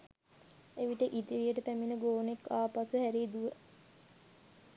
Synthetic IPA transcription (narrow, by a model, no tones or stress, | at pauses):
eʋiʈeʔit̪iɾijəʈəpæminəɡoːnekːaːpasuhæɾiːd̪uʋə